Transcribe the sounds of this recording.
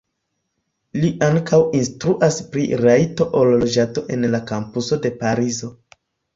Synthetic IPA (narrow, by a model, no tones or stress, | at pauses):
liʔaŋkʰawinstɾuʔaspɾḭɾajto̞ʔollod͡ʒato̞ʔe̞nlakampuso̞de̞paɾizo̞